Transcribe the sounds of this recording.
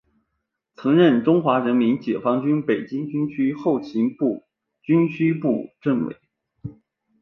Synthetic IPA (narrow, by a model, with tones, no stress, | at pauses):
t͡sʰɤ˧˥ŋɻə˥˩nʈ͡ʂʊ˥ŋxwa˧˥ɻə˧˥nmi˧˥nt͡ɕjɛ˨˩fɑ˥ŋt͡ɕy˥npe˨˩ɪt͡ɕi˥ŋt͡ɕy˥nt͡ɕʰy˥xo˥˩ʊt͡ɕʰi˧˥npu˥˩ | t͡ɕy˥nɕʰy˥pu˥˧ʈ͡ʂə˥˩nwḛ˧˥ɪ